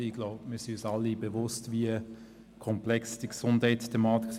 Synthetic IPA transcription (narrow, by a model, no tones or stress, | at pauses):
iɡ̥lɔʊbmɪsiysɑlːibevʊstviə | kʰɔmplɛksd̥iɡsʊndhɛɪttʰːɛmɑːt̪ik